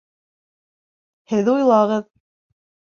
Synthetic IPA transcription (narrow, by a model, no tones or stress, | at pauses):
hɘðujlˠɑʁɤð